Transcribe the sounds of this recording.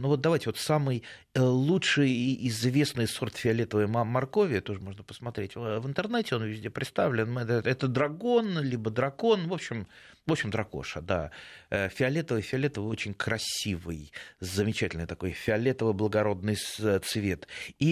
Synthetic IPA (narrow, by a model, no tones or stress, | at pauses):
nuvot̪̚d̪ɐvajtʲɪvo̞t̪samɨj | əlˠutʂɨjɪzvʲe̞snɨjso̞rt̪fʲɪɐlʲet̪əvəjmɐrko̞vʲɪət̪o̞ʐəmo̞ʐnəpə̥smɐt̪ɾʲetʲvɨnt̪ɨrnɛtʲɪo̞nvʲɪzʲdʲe̞pɾʲɪt̪st̪avlʲɪnmɛt̪ɛt̪əd̪ɾɐɡo̞nlʲibəd̪ɾɐko̞nvo̞pɕːɪmvopɕɪmd̪ɾɐko̞̰ʂəd̪a̰əfʲɪɐlʲet̪əvɨjfʲɪɐlʲet̪əvɨot͡ɕɪnʲkɾɐsʲivɨjzəmʲɪt͡ɕætʲɪlʲnɨjt̪ɐko̞jfʲɪɐlʲet̪əvɨjblˠəɡɐɾo̞d̪̚nɨjst̪svʲe̞t̪i